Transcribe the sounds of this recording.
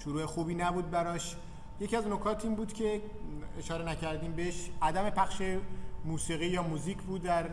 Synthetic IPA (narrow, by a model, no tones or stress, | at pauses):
ʃoɾuːe̞xuːbiːnæbuːd̪̚bæɾɒːʃ | je̞ciæznokʰɒːt̪ʰiːmbuːd̪̥cʲʰe̞eʃɒːɾe̞næcʰæɾd̪iːmbeeʃʔæd̪æme̞pʰæχʃe̞muːsiːɣiːjɒːmuːziːcʰbuːd̪ːæɾ